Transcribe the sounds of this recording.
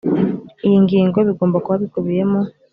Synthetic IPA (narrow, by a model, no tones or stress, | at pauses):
ijiŋɡiːŋɡoβiɡo̞ːmbakuβaβikuβije̞mo